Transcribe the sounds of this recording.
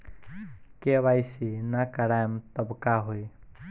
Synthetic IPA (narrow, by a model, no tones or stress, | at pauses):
keβajsinakəɽajmt̪əbkaɦuj